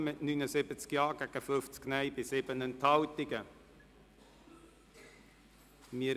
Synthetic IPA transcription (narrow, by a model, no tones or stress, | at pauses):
mɪtnynəsɪbət͡skjɑːɡæɡ̥əfʏft͡sknɛjbɪsɪbənɛnthɑltɪɡə | mɪə